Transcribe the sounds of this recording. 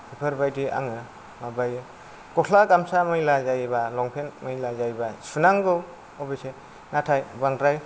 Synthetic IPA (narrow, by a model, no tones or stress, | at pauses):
pʰipʰəɾbajdiʔa̰ŋɯ | mabaj | kɔkʰlakamsamɯjlazajbalɔŋpʰenmɯjlazajbasunaŋɡɯw | ɔbese | natʰajbaŋtɾaj